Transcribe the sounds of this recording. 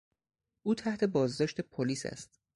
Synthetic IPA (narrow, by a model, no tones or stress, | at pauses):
ʔuːt̪ʰæht̪ʰe̞bɒːzd̪ɒːʃt̪e̞pʰoliːsæ̰st̪